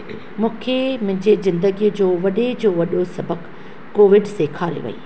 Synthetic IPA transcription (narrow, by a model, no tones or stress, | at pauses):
mũːkʰemʊ̃ɦɪ̃ɲd͡ʑezɪ̃nd̪əɡijd͡ʑoːʋɐɗed͡ʑoːʋɐɗosɐbəkː | oːʋɪɖsekʰaːɾḛʋɐ̰ḭː